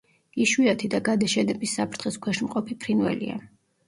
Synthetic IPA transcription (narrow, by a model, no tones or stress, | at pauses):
iʃwiat̪ʰid̪aɡad̪aʃɛnɛbisːapʰɾt̪ʰχiskʰwɛʃnmqʼɔpʰipʰɾinwɛ̰lḭa̰